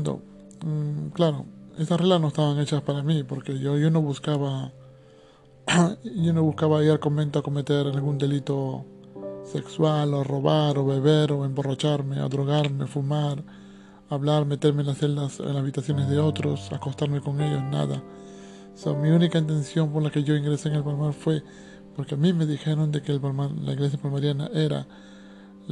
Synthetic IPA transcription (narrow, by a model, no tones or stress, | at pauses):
nd̪o̰ | klaɾo̞̰e̞st̪asreɣlasno̞est̪aβaŋe̞t͡ʃaspaɾamipo̞ɾke̞ʝoʝo̞no̞βuskaβa | ʝono̞βuskaβaiɾalko̞mbe̞nt̪oako̞me̞t̪e̞ɾalɡund̪e̞lit̪o̞ | se̞kswaloro̞βaɾo̞βe̞βe̞ɾo̞embo̞rat͡ʃaɾme̞a̰ðɾo̞ɣ̞aɾme̞fumaɾ | aβlaɾme̞t̪e̞ɾmenlaseld̪asḛnlashaβit̪asjo̞nezðeot̪ɾo̞sa̰ko̞st̪aɾmeko̞ŋe̞ʝo̞sna̰ða̰ | somiunikaint̪e̞nsjo̞mpoɾlakeʝo̞iŋɡɾeseːŋe̞lpalmaɾfwe̞ | poɾkeamime̞ðixe̞ɾo̞nd̪ekeːlpalmaɾla̰iɣle̞s̬japalmaɾjana̰ʔe̞ɾa̰